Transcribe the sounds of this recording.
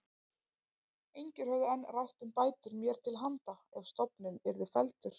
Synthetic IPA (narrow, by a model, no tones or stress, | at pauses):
ejɲcɪɾ̥hœvðɪɛnːrajht̪ʏmpaːjt̪ʏɾmjɛɾ̥t̪ʰɪlɦant̪aɛv̥st̪ɔpnʏmɛɾðɪfɛlt̪ʏɾ̥